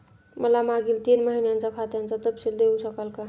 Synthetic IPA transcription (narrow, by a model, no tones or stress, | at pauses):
məlamaɡilt̪inməɦineənt͡sakʰat̪eɦənt͡sat̪əbsild̪eusəkəlka